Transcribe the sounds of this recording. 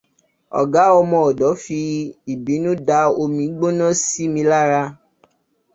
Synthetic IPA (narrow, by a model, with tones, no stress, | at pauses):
ɔ̰˨ɡa˨˦ɔ˧mɔ̃˧ɔ˨dɔ˨˦fi˧i˨bi˨˦nũ˦da˧o˧mĩ˧˦ɡ͡bo˦nɔ̃˦si˦mĩ˧˦la˦ɾa˧